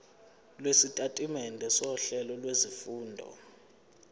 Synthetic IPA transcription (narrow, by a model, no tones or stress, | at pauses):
lwesitʼatʼimɛndʱɛsɔɬɛlɔlwezifuːndʱɔ̰